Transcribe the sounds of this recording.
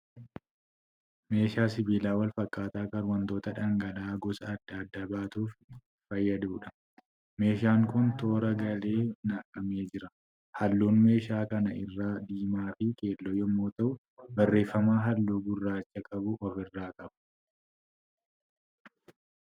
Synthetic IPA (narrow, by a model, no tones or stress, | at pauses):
me̞ːʃaːsɪbiːlaːwɐlfɐkʼːaːt̪aːkɐɾwɐnt̪o̞ːt̪ɐᶑɐŋɡɐlaːɡɔsɐːd̪ːɐːd̪ːɐbaːt̪uːf | fɐjːɐd̪uːᶑɐ̥ | me̞ːʃ̬aːŋkʊnt̪o̞ːɾɐɡɐle̞ːnaːkʼːɐme̞ːd͡ʒɪɾɐ | hɐlːuːnme̞ːʃaːkɐnɐɪrːaːd̪iːmaːfɪke̞ːlːɔjɔmːoːt̪ɐʔʊ | bɐrːe̞ːfːɐmaːɦɐlːuːɡʊrːaːt͡ʃːɐkʼɐbʊʔɔfɪrːaːkʼɐbʊ̥